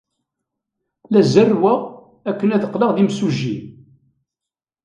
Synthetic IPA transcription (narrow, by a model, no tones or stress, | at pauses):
læzərːwæ | ækːənæðəqːləʁðimsuʒin